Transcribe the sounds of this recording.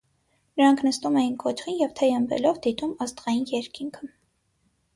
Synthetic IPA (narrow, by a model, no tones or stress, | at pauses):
nəɾɑŋkʰnəst̪umɛjinkɔt͡ʃχinjɛvt̪ʰɛjəmbɛ̰lɔvd̪it̪umɑst̪ʁɑjinjɛɾkʰiŋkʰə